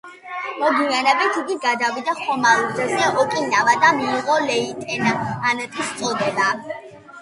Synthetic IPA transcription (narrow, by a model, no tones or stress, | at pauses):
mɔɡ̪ianɛbɛt̪ʰiɡiɡad̪avid̪aχɔmalud̪ɛzɛɔkʼinavad̪amiːʁɔlɛit̪ʼɛnaanɛt̪ʰist̪sʼɔd̪ɛba